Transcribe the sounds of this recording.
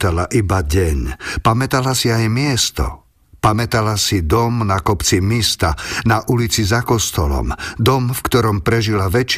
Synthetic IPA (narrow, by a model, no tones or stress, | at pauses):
t̪alaʔibaɟɛɲpamɛt̪alasiajmɪɛst̪ɔ̰ | pamɛt̪alasid̪ɔmnakɔpt͡simist̪anaʔulit͡sizakɔst̪ɔlɔ̰md̪ɔmfkt̪ɔɾɔmpɾɛʒilaʋɛt͡ʃ